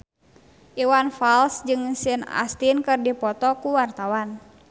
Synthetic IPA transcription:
ʔiwanfalsd͡ʒɨŋsina̰st̪inkɨrdipɔt̪ɔkuwart̪awan

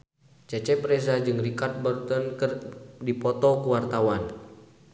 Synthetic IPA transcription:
t͡ʃɛt͡ʃɛpɾɛsad͡ʒɨŋrikart̪̚bɔrt̪ɔnkərdipɔt̪ɔkuwart̪awan

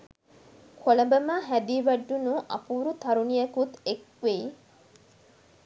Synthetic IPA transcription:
kʰolɐbɐmaɦæd̪iːʋæɖːunuʔɐ̰puːɾut̪ɐɾunijɐkut̪ek̚ | ʋei

